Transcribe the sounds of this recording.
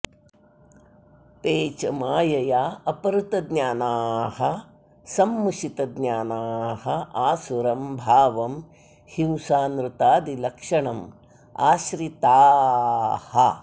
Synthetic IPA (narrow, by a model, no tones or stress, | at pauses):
t̪eːt͡ʃɐmaːjɐjaːɐpɐɾut̪ɐd̪ɲaːnaːhɐ | sɐmːuʃit̪ɐd̪ɲaːnaːhɐaːsuɾɐmbʱaːʋɐm | hĩwsaːnɾut̪aːd̪ilɐkʂɐɳɐm | a̰ːʃɾit̪aː | hɐ